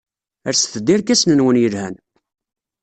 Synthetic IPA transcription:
əɾsθəd̪ːiɾkæsnənwənjəlhæn

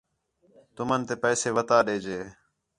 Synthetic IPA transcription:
t̪ʊmənt̪eːpɛːseːʋət̪aːɗeːd͡ʒeː

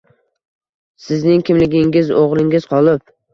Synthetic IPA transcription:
sɪznɪŋkʲʰɪmlɪɡʲɪŋʲɪzoʁlˠɪŋɪz̥qʰɒlˠɪp̚

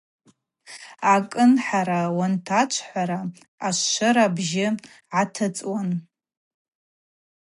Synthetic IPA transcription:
akʼɨnħaɾawantʰat͡ʃʷʰħʷaɾa | aʃʷːɨɾabʒɪ | ʕatʰɨt͡sʼwan

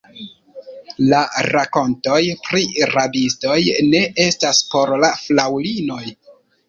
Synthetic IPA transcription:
laɾako̞nto̞jpɾiɾadisto̞jne̞e̞staspo̞ɾlaflawlino̞j

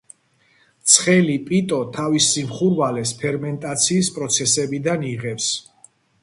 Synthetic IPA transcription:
t̪sʰχɛlipʼit̪ʼɔt̪ʰavisimχuɾvalɛspʰɛɾmɛnt̪ʼat̪sʰiːspʼɾɔt̪sʰɛsɛbid̪aniʁɛps

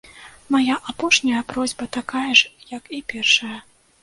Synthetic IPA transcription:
majaʔapɔʂnʲɐjɐpɾɔzʲbɐt̪akajɐʂjɐkipʲɛrʂɐjɐ

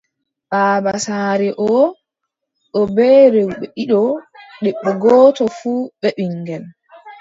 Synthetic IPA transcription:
ɓaːbasaːɾɛʔɔ | ʔɔbɛːɾewɓɛʔiɗɔɗɛɓːɛɡɔːtɔfuːɓɛɓiŋɡɛn

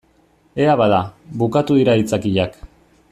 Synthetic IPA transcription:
e̞aβaðaβukat̪uðiɾait͡sakiʎak

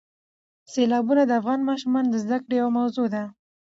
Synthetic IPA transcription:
selɑbunad̪əafɣɑnmɑʃumɑnd̪əzd̪akɽejawamawzod̪a

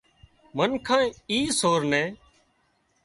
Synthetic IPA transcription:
mənkʰãːiːsoːɾnẽː

